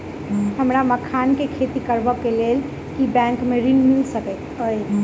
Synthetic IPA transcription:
həmɾaməkʰankekʰet̪ikəɾbəkːelel | kibɛ̃ŋkmeɾinmilsəkɛt̪əj

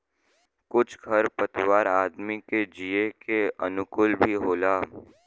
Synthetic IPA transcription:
kʊt͡ʃʰɡʱɐɾpət̪waːɾaːd̪miked͡ʒiekeənʊkʊlbʱiɦoːlaː

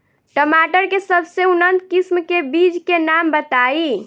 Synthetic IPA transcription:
ʈəmaʈəɾkesəbseunənt̪kismkebid͡ʒkenambət̪ai

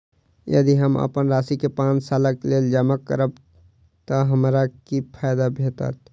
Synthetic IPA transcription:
jə̰d̪iɦəmə̰pənɾaːsikepãːnt͡ʃsaːləkleːld͡ʒəmakːə̰ɾəb̚ | t̪əɦəmɾakipʰaːjd̪abʱeːt̪ə̰t̪

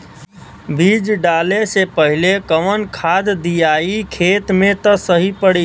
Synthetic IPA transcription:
bʱid͡ʒɖalesepəɦilekəʋənkʰad̪d̪ijaikʰet̪met̪əsəɦipəɽi

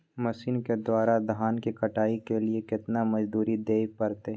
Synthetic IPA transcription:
mɐsiːnked̪waːɾad̪ʱaːnkikɐʈaːikeliekɪt̪namɐd͡ʒd̪uːɾid̪eːk̚pɐɾt̪e

